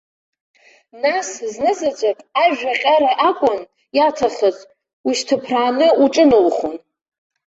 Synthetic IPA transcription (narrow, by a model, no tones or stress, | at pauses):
nasznɨzad͡ʒʷakʼaʒᶣaqʲʼaɾaʔakʷʼʊn | jatʰaχət͡sʼ | wiʃtʰɨpʰraːnɨuʈ͡ʂʼɨnowχon